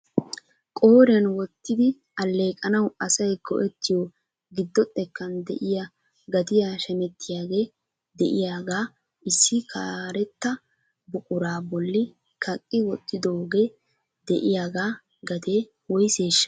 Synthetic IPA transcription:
kʼo̞ːɾɪɐnwɔt̪ːɪd̪ɪ | ɐlːe̞ːkʼɐnɐwɐsɐjɡɔʔɛt̪ːɪjo | ɡɪd̪ːɔt̪ʼːɛkːɐnd̪ɛ̰ʔɪja | ɡɐt̪ɪjaːʃɛnɛt̪ːɪjaːɡe̞ː | d̪ɛʔɪjaːɡaː | ʔɪsːɪkʰaːɾɛt̪ːɐ | bʊkʼʊɾaːbɔlːɪ | kʰɐkʼːɪwɔt̪ʼːɪd̪o̞ːɡe̞ː | d̪ɛʔɪjaːɡaː | ɡɐt̪e̞ː | wɔjse̞ːʃːɐ̥

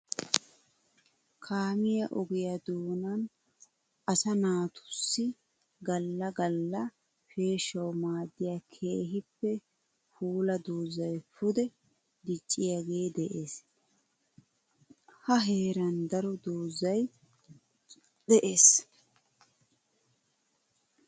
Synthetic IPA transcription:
kʰaːmɪjɐʔɔɡɪjɐd̪uːnɐn | ʔɐsɐnaːt̪ʊ̥sːɪ | ɡɐlːɐɡɐlːɐ | fe̞ːʃɐwmaːd̪ːɪjakʰe̞ːɦɪpːɛ | fuːlɐd̪uːzɐjfʊd̪ɛ | d̪ɪt͡ʃʼːɪjaɡeːd̪ɛʔeːs | hɐɦe̞ːɾɐnd̪ɐɾɔd̪uːzɐj | d̪ɛʔeːs

